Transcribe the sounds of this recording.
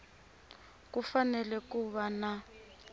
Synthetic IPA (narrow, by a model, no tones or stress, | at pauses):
kufanɛlɛkuβana